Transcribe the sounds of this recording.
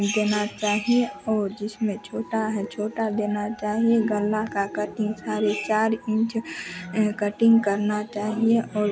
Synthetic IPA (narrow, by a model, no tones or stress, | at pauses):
d̪eːnat͡ʃaːɦieɔːɾd͡ʒɪsmẽt͡ʃʰoːʈaɦɛt͡ʃʰoːʈad̪eːnat͡ʃaːɦieɡəlːakakəʈɪ̃ŋɡsaːɾet͡ʃaːɾɪ̃nt͡ʃ | kəʈɪ̃ŋɡkəɾnat͡ʃaːɦieʔɔːɾ